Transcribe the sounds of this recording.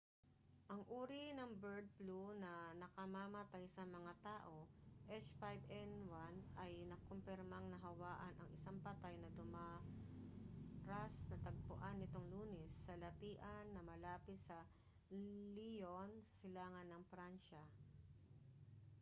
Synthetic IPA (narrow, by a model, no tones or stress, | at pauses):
ʔɐŋʔuːɾinɐŋbɛɹd̪̚plunɐnɐkɐmamɐt̪ajsɐmɐŋat̪aːʔo̞ʔɛt͡ʃfajbɛnwanɐjnɐkompɛɾmɐŋnɐɦɐwaːʔɐnʔɐ̰ŋʔɪsaŋpɐt̪ajnɐd̪ʊma | ɾasnɐt̪ɐɡ̚pʊ̰ʔanːɪt̪o̞ŋluːnɛsːɐlɐt̪iːʔɐnːɐmɐlaːpɪt̪sɐ | lijonsɐ̥sɪlaːŋɐnːɐŋpɾanʃɐ